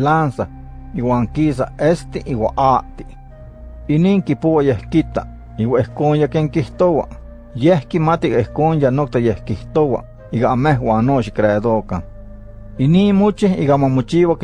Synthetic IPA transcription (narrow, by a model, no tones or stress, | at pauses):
lansah | iwaːŋkiːsa̰ʔest̪iʔiwa̰ʔaʔt̪i̥ʔ | iniːŋkipowajehkit̪a̰ | iwaihkoːnjakeŋkiht̪owa̰ʔ | jehkimat̪iʔiɣaihkoːnjanok̚t̪ajehkiht̪owa̰ʔ | iɣaameɦwaːnnːoːʃ̬ikɾeːd̪okaŋ | iniːnmot͡ʃihiɣamamot͡ʃiːwak